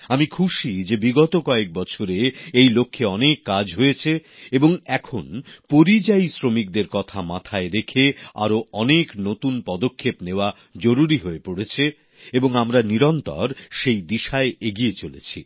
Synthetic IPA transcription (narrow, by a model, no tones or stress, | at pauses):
amikʰuʃid͡ʑebiɡɔt̪okɔek̚bɔt͡ɕʰoɾeejlokʰːeɔnekːad͡ʑɦojet͡ɕʰeeboŋɛkʰonpoɾid͡ʑaisɾomik̚d̪eɾkɔt̪ʰamat̪ʰaeɾekʰea̰ɾoɔneknot̪unpɔd̪okʰːepneoa | d͡ʑoɾuɾiɦoepoɽet͡ɕʰe | eboŋamɾaniɾɔnt̪ɔ̰ɾʃejd̪iʃaeeɡiet͡ɕolḛt͡ɕʰi